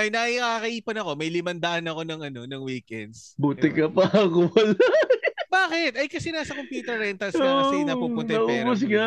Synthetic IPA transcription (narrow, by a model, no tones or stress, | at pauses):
ɐjnɐʔikaːkɐʔiːponɐko̞mɐjlɪmɐnd̪ɐʔanɐko̞nɐŋɐno̞nɐŋwiːkɛnd̪s | buːt̪ɪkɐpɐɐkoɐlabaːkɪt̪̚ʔɐjkɐsɛnaːsɐkompjuːt̪ɛɹɛnt̪ɐlskɐsɛnɐupʊnnɐɐʔuːbʊs̬ɡɐ